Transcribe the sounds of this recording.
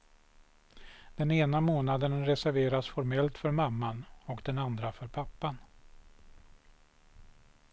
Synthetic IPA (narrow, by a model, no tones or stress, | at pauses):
d̪̥ɛneːnamoːnad̪ənɾɛsæɾveːɾasfɔɾmɛlt̪fœɾmamːanɔkd̪ɛnand̪ɾafœɾpʰapːan